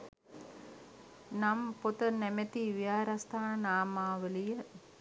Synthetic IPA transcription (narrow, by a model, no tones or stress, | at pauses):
nampot̪ənɛmet̪iʋijaːɾast̪ʰaːnnaːmaːʋəlijə